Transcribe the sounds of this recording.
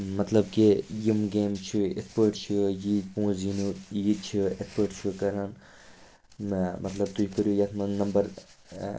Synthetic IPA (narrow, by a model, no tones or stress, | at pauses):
mɐt̪lɐbkijimɡeːmt͡ʃʰuḛspəɾʈt͡ʃʰujipõːd͡zinujiːd̪t͡ʃʰuespəɾʈt͡ʃʰukɐɾɐn | mʔɐt̪lɐb̚t̪uikəɾjujɐt̪ʰmɐnɐmbɐɾ